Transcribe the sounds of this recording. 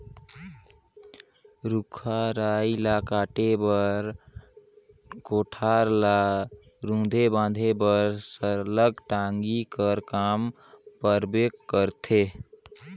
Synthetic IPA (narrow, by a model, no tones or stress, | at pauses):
ɾukʰaɾailakaʈebəɾ | koʈʰaɾla | ɾũd̪ʱebãd̪ʱebəɾsəɾləɡʈaŋɡikəɾkam | pəɾbekːəɾt̪ʰe